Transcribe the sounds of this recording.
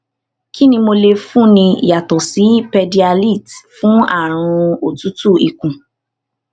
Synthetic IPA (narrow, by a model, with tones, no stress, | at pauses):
kʰi˦nĩ˧mo˧le˧fũ˦˨nĩ˧ḭ˨ja˨tɔ˨si˨˦pɛ˧di˧a˧li˦˨tfũ˦a̰˦˨ɾ̃ũ˧o˨tu˨˦tu˦˨i˨kũ˨